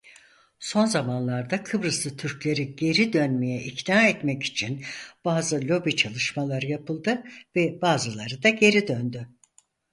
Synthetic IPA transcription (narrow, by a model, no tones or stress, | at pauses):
so̞nzamanlˠaɾd̪akʰɯbɾɯsɯt̪ʰyɾclʲe̞ɾiɟe̞ɾid̪ønmejɛʔicnaːɛt̪mɛci̥t͡ʃʰinb̥aːzɯlʲo̞bit͡ʃʰalˠɯʃmalˠaɾɯjapɯlˠd̪ɯvɛbaːzɯlˠaɾɯd̪aɟe̞ɾid̪ønd̪y